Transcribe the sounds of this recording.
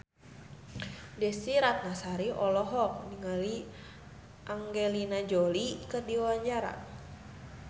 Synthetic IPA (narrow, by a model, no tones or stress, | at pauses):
dɛsiɾak̚nasaɾiʔɔlɔɦɔk̚niŋali | ʔaŋɡelinad͡ʒolikədiwaɲd͡ʒaɾa̰